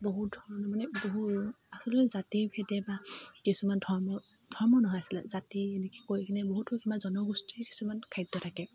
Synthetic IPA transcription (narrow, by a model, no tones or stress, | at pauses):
boɦut̚dʱɔɹɔnɔmanɛboɦu | asɔlɛzatipʰɛdɛbakisumandʱɔɹmɔ | dʱɔɹmɔnɔɦɔjasila̰zatiɛnɛki̥kojkinɛboɦutɔkimazɔnɔɡustiɛki̥sumankʰajdːɔtʰakɛ